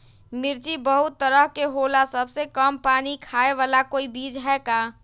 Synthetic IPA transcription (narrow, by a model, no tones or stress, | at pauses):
mɪɾd͡ʒibəɦut̪ːəɾəɦkeɦolasəbsekəmpaːnikʰaːeʋaːlakoːibiːd͡ʒɦɛkaː